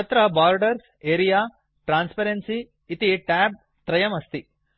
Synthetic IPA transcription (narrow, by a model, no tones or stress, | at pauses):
ɐt̪ɾɐbaːɾɖɐɾs | eːɾijaː | ʈɾaːnspɐɾensiː | t̪iʈɛːb̚ | t̪ɾɐjɐmɐst̪i